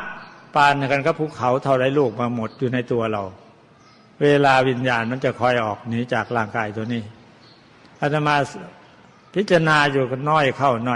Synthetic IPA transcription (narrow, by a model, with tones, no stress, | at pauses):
paː˧n˧˩ka˧nkʰa˧˩pʰuː˧˥˩kʰa˨˦wt̪ʰa˧˩wda˧˩jluː˥˩k̚maː˧mo˨˩t̪̚juː˨˩na˧jt̪u˧ɐɾa˧˩w | weː˧laː˧wi˧njaː˧nma˧˥˩nt͡ɕa˨˩kʰɔ˧˩jʔɔː˨˩k̚niː˨˦˥t͡ɕaː˨˩k̚laː˧˩ŋkaː˧jt̪ʰu˧əniː˧˩ | ʔa˧˩t̪ʰa˧maː˧ | pʰi˦˥t̪̚t͡ɕa˧naː˧juː˨˩nɔː˧˥˩jkʰa˧˩wnɔ˧˩˨